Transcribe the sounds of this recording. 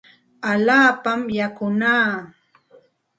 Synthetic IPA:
aʎaːpamjakʊnaː

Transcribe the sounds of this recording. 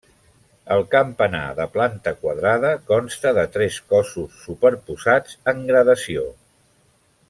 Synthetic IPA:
əlˠkəmpəna̰ðəplant̪əkwəðɾaðəkɔnst̪əðət̪ɾɛskɔsusːupəɾpuzad͡zəŋɡɾəðəsio

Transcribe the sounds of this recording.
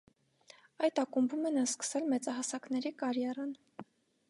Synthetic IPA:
ɑjt̪ɑkumbumɛnɑskə̥sɛlmɛt͡sɑɦɑsɑknɛɾikɑɾjɛɾɑn

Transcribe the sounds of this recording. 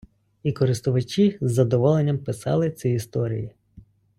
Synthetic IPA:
ikɔɾɪst̪ʊʋɐt͡ʃizːɐd̪ɔʋɔlˠenʲːɐmpɪsɑ̰lˠɪt͡sʲiist̪ɔɾʲḭji

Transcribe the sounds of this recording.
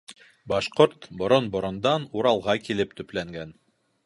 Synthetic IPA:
bɑʃqoɾt̪bŏɾonbŏɾŏnd̪ɑnuɾɑlˠʁɑkilɘp̚t̪ɵ̆plæŋɡæn

